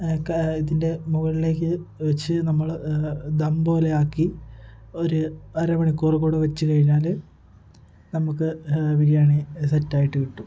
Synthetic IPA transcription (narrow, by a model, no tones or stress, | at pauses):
kiðinde̞muɣɐɭile̞ːk̬ʲːɨʋɐt͡ɕːɨnɐmːɐɭd̪ɐmbo̞ːle̞aːkːi | o̞ɾuɐɾɐʋɐɳikːurɐkːoːɽuʋɐt͡ɕːɨkɐɻiɲːaːl | nɐmukːɨʋiɾijaːɳisetːaːjiʈːɨkiʈːu